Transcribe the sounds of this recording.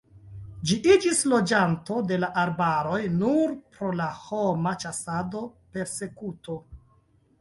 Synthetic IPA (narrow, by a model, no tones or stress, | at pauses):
d͡ʒiʔid͡ʒislo̞d͡ʒanto̞de̞laʔaɾbaɾo̞jnuɾpɾo̞laho̞mat͡ʃasado̞pe̞ɾse̞kuto̞